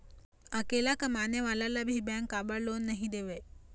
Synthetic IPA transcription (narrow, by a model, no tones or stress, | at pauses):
akelakəmaneʋalalabiɦibɛːŋkabaɭoːnːɛɦĩd̪eʋe